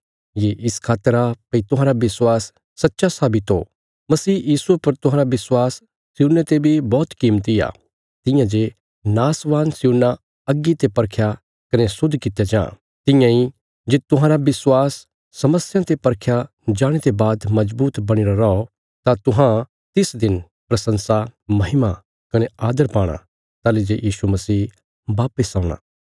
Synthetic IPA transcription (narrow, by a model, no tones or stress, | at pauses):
jeːʔɪskʰaːt̪əɾapɐit̪ʊ̃ɦãːɾabɪswaːsː | ɐtːʃasaːbɪt̪ɦo̰ː | mɐsiːjiːsuepɐɾt̪ʊ̃ɦãːɾabɪswaːsː | juːnet̪ebʱibɔːt̪kiːmt̪ija̰ː | t̪ɪ̃jãd͡ʒe | naːsʋaːnsjuːna | ɐɡːit̪epɐɾkʰja | kɐnesʊd̪ʱːkɪt̪ejad͡ʒã̰ː | t̪ɪ̃jãi | d͡ʒet̪ʊɦãːɾabɪswaːsː | ɐməsjãt̪epɐɾkʰja | d͡ʒaːɽ̃et̪ebaːd̪mɐd͡ʒbuːt̪bɐɽ̃ɪɾaɾɐɔ | t̪at̪ʊɦã | t̪ɪsd̪ɪn | pɾɐsə̃nsamɐɦɪma | kɐneaːd̪əɾpaːɽ̃a̰ | t̪aːled͡ʒejiːsumɐsiː | baːpɪsãːʊɽ̃a̰ː